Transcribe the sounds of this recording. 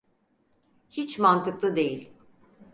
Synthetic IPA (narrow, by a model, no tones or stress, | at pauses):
hit͡ʃmant̪ʰɯklˠɯd̪e̞jilʲ